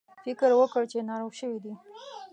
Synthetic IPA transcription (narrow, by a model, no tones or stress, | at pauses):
fɪkɾwəkəɽt͡ʃenɑɾawʃəwid̪i